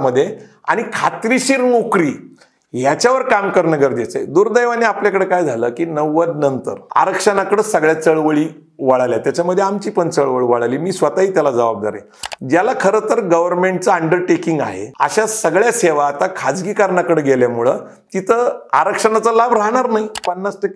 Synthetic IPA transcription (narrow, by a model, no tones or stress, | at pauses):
məd̪ʱːje | a̰ɽ̃ikʰat̪ɾiɕiːɾnokɾiː | ɦjat͡ɕaʋəɾkamkəɾnəɡəɾd̪et͡sa̰jd̪uːɾd̪əjʋaniapljakəɽekajd͡zʱaləːkiːnəʋəd̪nənt̪ə̰ɾa̰ɾəkʂənakəɽəsəɡɭjat͡səɭʋəɭiː | ʋaɽaljat̪jat͡ɕaməd̪ʱːjeamt͡ɕiːpəɳt͡səɭʋəɭʋaɽaliːmiːsʋət̪aɦiːt̪jalad͡zəʋab̚d̪a̰ɾḛ | d͡ʑjalakʰəɾət̪əɾɡəʋəɾmeɳʈ̚t͡səəɳɖəɾʈekiŋɡa̰ɦḛə̰ɕasəɡɭjaseʋaːt̪akʰad͡zɡiːkaɾɳakəɽeɡeljamuɭə̰ː | t̪it̪ʰəaɾəkʂənat͡səlabɾaɦɳaɾnaɦipənːasʈəke